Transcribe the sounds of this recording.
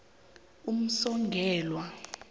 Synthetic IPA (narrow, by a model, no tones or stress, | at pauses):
um̩sɔŋɡʱɛːlwa